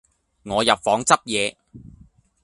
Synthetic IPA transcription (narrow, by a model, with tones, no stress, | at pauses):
ŋɔː˨˧jɐ˨p̚fɔː˨˥ŋt͡sɐ˥p̚jɛː˨˧